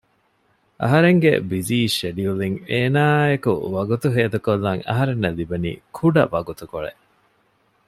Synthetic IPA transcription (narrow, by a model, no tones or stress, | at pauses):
ʔɐ̰ɦɐɾeŋɡḛbiziːʃeɖiuliŋeːnaːekṵʋɐɡut̪uɦeːd̪ukolːɐŋɐ̰ɦɐɾenːɐlibɐnḭːkʰuɖɐ̰ʋɐɡut̪ukoɭḛʔ